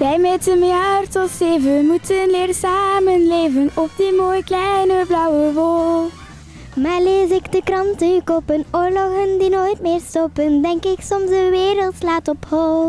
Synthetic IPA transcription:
ʋɛjmɛtəmjartɔseːvəmutənlɪːɾəsaːmənlejvənɔp̚dimoːjklɛnəblɑwəʋoːl | maːɹleːzɪkdəkrɑntəkopənoːɹlɔɣəndinoːjtmeːrstopəndɛŋkɪksɔmzdəʋeːɾəlˠtslaːtɔphoːl

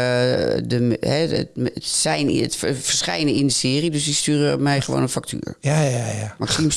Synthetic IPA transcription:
dəmhɛttsɛjn̰ətfəɹsχɛ̰jnəindəsɪːəridøsdistyːrəɔp̚mɛjχəʋo̰ːnənfak̚tʰy̰ːəɹjaajamaksims

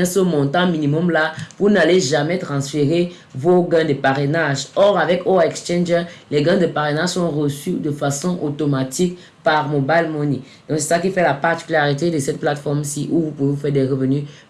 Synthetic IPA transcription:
ɛ̃səmɔ̃t̪ɑ̃minimɔmlavunaleʒamɛt̪χɑ̃sfeʁe | voɡɛ̃d̪əpaʁenaʒɔʁavɛkoɛkst͡ʃɛ̃nʒəlɛɡɛ̃d̪əpaʁenaʒsɔ̃ʁəsyd̪əfasɔ̃ʔot̪omat̪ik | paʁmobajlmoni | d̪ɔ̃ksɛ̥sakifɛlapaʁt̪i̥kylaʁit̪ed̪əsɛt̪̚plat̪fɔʁmsiʔuvupuvevufɛʁd̪ɛʁəvəny

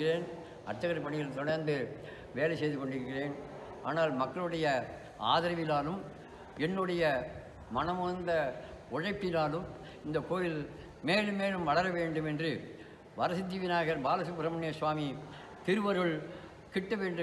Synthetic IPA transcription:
ɪreːn | ɐ̰ɾt͡ʃ̪ːɐɣɐɾpɐɳɪjɐlt̪ɔɽɐɾnd̪ɯ | ʋeːlɐsɛjðɯkɔɳɖɪɾɯkːɪreːn | ʔa̰ːnaːlmɐkːɐɭɯɽɐjɐ | a̰ːðɐɾɐʋɪlaːlɯm | ɛnːɯɽɐjɐ | mɐnɐmʊɐnd̪ɐ | ʊɻɐɪpːɪlaːlɯm | ɪnd̪ɐkoːjɪl | meːlɯmːeːlɯmʋɐɭɐɾɐʋeːɳɖɯmɛndrɯ | ʋɐɾɐsɪt̪ːiːʋɪnaːɣɐɾbaːlɐsɯpɪɾɐmɐɳeːsʋaːmi | t̪ɪɾɯʋɐɾɯɭ | kɪʈːɐʋeːɳɖɯ

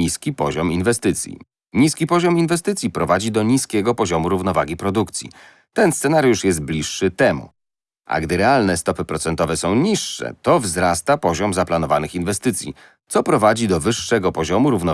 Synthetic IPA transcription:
iskʲipɔʑɔminvɛst̪ɘt̪sʲjḭ | ɲiskʲipɔʑɔminvɛst̪ɘt̪sʲjipɾɔvad͡ʑid̪ɔɲiskʲɛɡɔpɔʑɔmuɾuvnɔvaɡʲipɾɔd̪ukt̪sʲjḭ | t̪ɛnst̪ɛnaɾjuʂjɛs̬t̪̚blʲiʂːɘt̪ɛmṵ | ʔa̰ɡd̪ɘɾɛalnɛst̪ɔpɘpɾɔt̪sɛnt̪ɔvɛsɔ̃w̃ɲiʂːɛ̰t̪ɔvzɾast̪apɔʑɔmzaplanɔvanɘxinvɛst̪ɘt̪sʲjḭ | t̪sɔpɾɔvad͡ʑid̪ɔvɘʂːɛɡɔpɔʑɔmuɾuvnɔ

